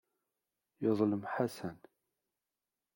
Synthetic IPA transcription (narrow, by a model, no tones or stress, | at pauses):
jəðˤləmħasæn